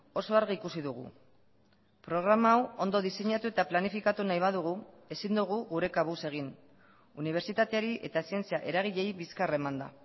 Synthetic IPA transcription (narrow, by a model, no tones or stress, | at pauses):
o̞so̞aɾɣiikusiðuɣ̞ṵ | pɾo̞ɣ̞ɾamaːwo̞nd̪o̞ðise̞ɲat̪ue̞t̪aplanifikat̪unajβ̞aðuɣ̞u | e̞sind̪uɣ̞uɣuɾe̞kaβuse̞ɣ̞in | uniβ̞e̞ɾsit̪at̪e̞aɾiʔe̞̰t̪asie̞nt͡siaʔe̞ɾaɣ̞iʎe̞jβiskare̞mand̪a̰